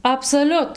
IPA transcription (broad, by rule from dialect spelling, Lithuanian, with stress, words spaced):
ɐpsoːˈlʲʊt